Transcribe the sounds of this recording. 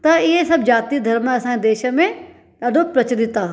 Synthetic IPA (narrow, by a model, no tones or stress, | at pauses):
t̪ɐɪɦesɐbʱd͡ʑaːt̪id̪ʱɐɾməɐsãed̪eːʃə̆mẽ | ɗaːɖʱopɾɐt͡ɕɾɪt̪a